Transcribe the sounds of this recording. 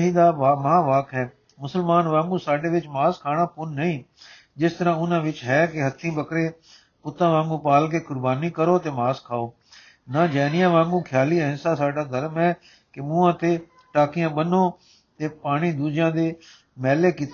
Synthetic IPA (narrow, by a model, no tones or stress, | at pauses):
ɦiːd̪aːamãːʋaːkɦɛː | mʊsəlmaːnʋãːŋɡũːsaːɖeːʋɪt͡ʃmaːskʰaːɽ̃ãːpʊnːəĩː | d͡ʒɪst̪əɾãːʊnãːʋɪt͡ʃɦɛːkeɦət̪ʰĩbəkɾe | pʊt̪ãːʋãːŋɡũːpaːlk̬eːkʊɾbaːnikəɾoːt̪eːmaːskʰaːoː | nad͡ʒɛːnɪjãːʋãːŋɡũːkʰjaːliːəɦɪ̃nsaːsaːɖaːd̪ʱəɾmɦɛː | kemũːãːt̪e | ʈaːkɪjãːɓənoː | t̪eːpaːɽ̃iːd̪uːd͡ʒɪjãːd̪eː | mɛːlekɪt̪